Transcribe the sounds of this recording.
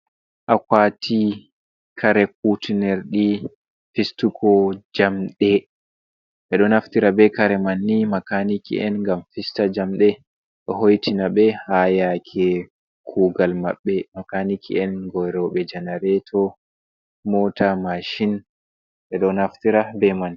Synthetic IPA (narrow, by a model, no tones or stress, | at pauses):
ʔakaːtʰi | kʰaɾɛk̚utinɛɾɗi | fistukʰɔd͡ʒamɗɛ | ɓɛɗɔnaftiɾabɛkaɾɛmanːimakanikḭʔɛnŋɡamfistad͡ʒamɗɛ | ɗɔɦojtinaɓɛhajakʰɛ | kʰuːɡalmaɓːɛmakanikʰḭɛnɡɔɾɔɓɛd͡ʒɛnaɾɛtʰɔ | mɔtamaʃin | ɓɛɗɔnaftiɾabɛman